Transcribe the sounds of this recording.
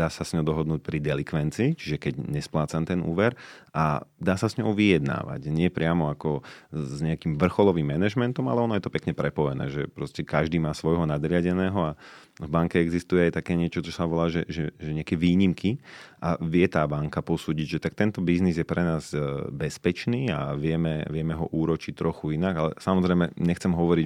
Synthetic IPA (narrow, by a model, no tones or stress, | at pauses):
d̪aːsasɲɔd̪ɔɦɔd̪nuːc̚pɾid̪ɛlikʋɛnt͡siːt͡ʃiʒɛkɛɟɲɛsplaːt͡sant̪ɛnṵːʋɛɾʔa̰d̪aːsasɲɔʊʋijɛd̪na̰ːʋa̰cɲɪɛpɾɪamɔakɔzɲɛakimʋr̩xɔlɔʋimːɛnɛʒmɛnt̪ɔma̰lɛɔnɔjɛt̪ɔpɛkɲɛpɾɛpɔjɛnɛ̰ːʒɛpɾɔscɛkaʒd̪iːmaːsʋɔjɦɔnad̪ɾɪaɟɛnɛːɦɔa | vbaŋkɛɛɡzist̪ujɛajt̪akɛːɲɪɛt͡ʃɔt͡ʃɔsaʋɔlaːʒɛʒɛʒɛɲɛakɛʋiːɲimkʰiʔaʋɪɛt̪aːbaŋkapɔsuːɟiɟʒɛt̪ak̚t̪ɛnt̪ɔbiznizjɛpɾɛnaːzbɛspɛt͡ʃniːa̰ʋɪɛmɛʋɪɛmɛɦɔʔuːɾɔt͡ʃict̪ɾɔxuinaɡalɛsamɔzɾɛɪmɛɲɛxt͡sɛmɦɔʋɔɾi